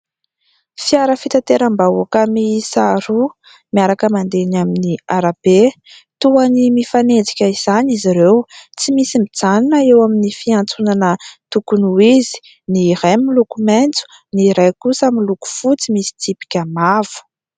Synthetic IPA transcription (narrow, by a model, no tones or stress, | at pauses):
fiaɾəfit̪at̪eɾəmbauakəmisaɾu | miaɾakəmand̪enaminiaɾab̥e | t̪uanimifaned͡zi̥kʲəiz̥aniziɾewt͡simisimid͡zaninəewaminifiant͡sunanət̪ukunuizi̥ | niɾajmilukument͡su̥ | niɾajkusamiluku̥fut͡simisi̥t̪ipi̥kʲəmavu̥